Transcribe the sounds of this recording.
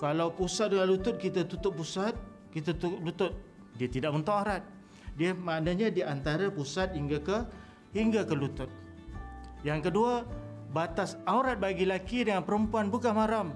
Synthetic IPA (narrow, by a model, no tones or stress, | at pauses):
kalawpusat̪̚dəŋanlut̪ʊt̪̚kit̪at̪ut̪ʊt̪̚pːusat̪̚ | kit̪at̪ʊlut̪ʊt̪̚ | diat̪idaʔmənt̪ɔŋaɾat̪̚ | diəmaʔnaɲadiant̪aɾapusat̪̚hiŋɡakə | hiŋɡakəlut̪ʊt̪̚ | jaŋkədua | bat̪asauɾat̪̚baɡilakidəŋanpəɾəmpuanbukanmaɾam